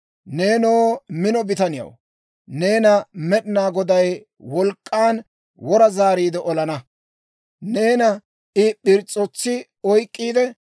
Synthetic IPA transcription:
ne̞ːnoːmɪnɔbɪt̪ɐnɪjɐ̰w | ne̞ːnɐmɛɗɪnaːɡɔd̪ɐj | wɔlkʼːaːn | wɔɾɐzaːɾiːd̪ɛʔɔlɐnɐ | ne̞ːnɐ | ʔɪpːɪɾt͡sʼɔt͡sːɪ | ɔjkʼːiːd̪ɛ

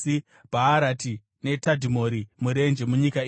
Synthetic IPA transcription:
i | bʱaːɾati | ne̞tadʱimo̞ɾimuɾe̞nd͡ʒemuɲikai

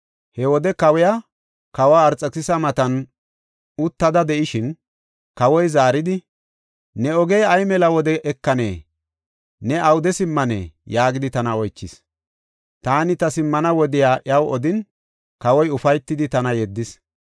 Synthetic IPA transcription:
hɛwɔd̪ɛkɐwɛja | kɐwaːɾt͡sʼːɐkɪsɐmɐt̪ɐn | ʊt̪ːɐd̪ɐd̪ɛʔɪʃɪn | kɐwɔjzaːɾɪd̪ɪ | nɛɔɡɛjɐjmɛlɐwɔd̪ɛʔɛkːɐnḛː | nɛɐwd̪ɛsɪmːɐnḛːjaːɡɪd̪ɪt̪ɐnɐɔjt͡ʃːɪs | t̪aːnɪt̪ɐsɪmːɐnɐwɔd̪ɪjaːʔɐwɔd̪ɪn | kɐwɔjʊfɐjt̪ːɪd̪ɪt̪ɐnɐjɛd̪ːɪs

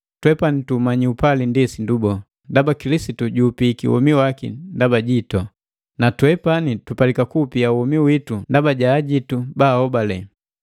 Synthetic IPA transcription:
twɛpanitumaɲiupalindisindubɔ | ndabakilisituɟuːpikiwɔ̰miwakḭndabaɟitɔ | natwɛpanitupalikakupiauwɔmiwitundabaɟaːɟitubahɔbalɛ

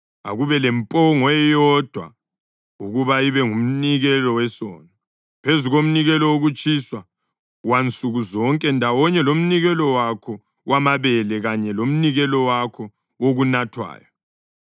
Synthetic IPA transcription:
a̰ɣuβɛlɛmpʼɔŋɔɛjɔd̥ʱwa̰ | uɣuβaiβɛŋum̩niɣɛlɔwɛsɔ̰ːnɔ | pʰezuɣom̩niɣɛlɔwoɣut͡ʃʼiswa | want͡sʼuɣuzɔŋkʼɛndʱawɔɲɛlom̩niɣɛlɔwakʰɔ | wamaβɛlɛɣaɲɛlom̩niɣɛlɔwakʰɔ | woɣunatʰwa̰ːjɔ

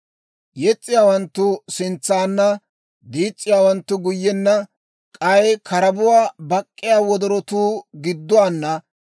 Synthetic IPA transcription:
jɛt͡sʼːɪjaːwɐnt̪ːʊsɪnt͡sːaːnːɐ | d̪iːt͡sʼːɪjaːwɐnt̪ːʊɡʊjːɛnːɐ | kʼɐjkʰɐɾɐbʊwaːbɐkʼːɪjaːwɔd̪ɔɾɔt̪uːɡɪd̪ːʊwaːnːɐ

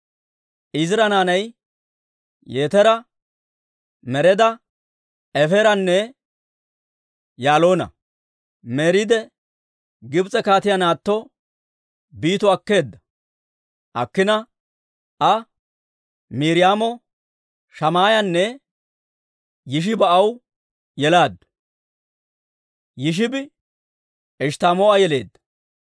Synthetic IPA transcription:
ʔɪzɪɾɐnaːnɐj | jeːt̪ɛɾɐ | mɛɾɛd̪ɐ | ɛfɛɾɐnːɛ | jaːlo̞ːnɐ̰ | meːɾid̪ɛ | ɡɪbt͡sʼɛkaːt̪ɪjɐnaːt̪ːɔ | biːt̪ɔɐkːe̞ːd̪ːɐ̥ | ʔɐkːɪnɐ | ʔɐ | miːɾɪjaːmɔ | ʃɐmaːjɐnːɛ | jɪʃ̬ɪbɐʔɐw | jɛlaːd̪ | jɪʃ̬ɪbɪ | ɛʃt̪aːmɔɐjɛle̞̰ːd̪ːɐ̥

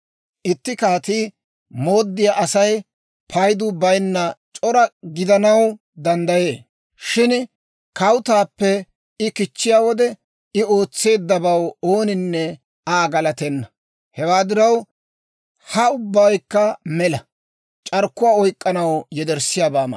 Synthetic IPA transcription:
ʔɪt̪ːɪkaːt̪iː | mo̞ːd̪ːɪjaːʔɐsɐj | pʰɐjd̪ʊbɐjnːɐt͡ʃʼɔɾɐɡɪd̪ɐnɐw | d̪ɐnd̪ɐje̞ː | ʃɪn | kɐwʊt̪aːpːɛ | ɪkɪt͡ʃːɪjaːwɔd̪ɛ | ɪo̞ːt͡sːe̞ːd̪ːɐbɐwo̞ːnɪnːɛ | aːɡɐlɐt̪ɛnːɐ | hɛwaːd̪ɪɾɐw | hɐʊbːɐjkːɐmɛlɐ | t͡ʃʼɐɾkːʊwaːɔjkʼːɐnɐwjɛd̪ɛɾsɪjaːbaːmɐ̰

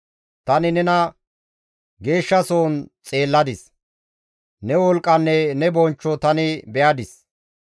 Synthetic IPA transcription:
t̪ɐnɪnɛnɐ | ɡe̞ːʃːɐsoːnt͡sʼe̞ːlːɐd̪ɪs | nɛwɔlkʼːɐnːɛnɛbɔnt͡ʃːɔt̪ɐnɪbɛjɐd̪ɪs

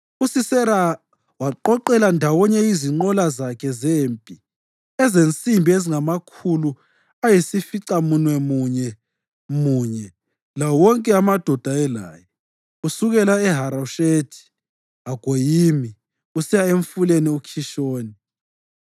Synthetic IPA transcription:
usisɛa | waǃɔǃɛlandʱawɔɲɛiziŋ͡ǃɔlazakʰɛzeːmpʼi | ɛzent͡sʼimbʱieziŋamakʰulu | ajisifiǀamunwɛmuɲɛ | muɲɛ | lawɔŋkʼɛamad̥ʱɔd̥ʱaɛla̰ːjɛ | usuɣɛlaɛɦaɾaʃetʰi̥ | aɡ̥ʱojiːmi | usijaeɱfuleniukʰiʃoːni

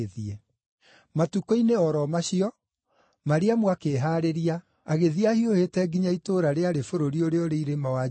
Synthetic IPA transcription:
eðiɛ | matukoineɔɾɔmaɕiɔ | maɾeamwakeːɦaːɾeɾia | aɣeðiahiohetɛɡiɲaitoɾaɾeaɾefoɾoɾioɾeɔɾeiɾemawa

